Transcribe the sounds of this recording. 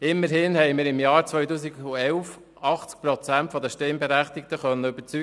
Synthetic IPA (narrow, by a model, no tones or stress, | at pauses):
ɪmːəɾhɪnhɛɪmɪːɾɪmjɑːɾt͡sʋœɥtuːsiɡuɛlf | ɑχt͡sk̚pɾɔt͡sæntfɔd̪əʃtɪmbɛɾæχt̪ɪk̚t̪əχœnːəʏb̥əɾt͡sy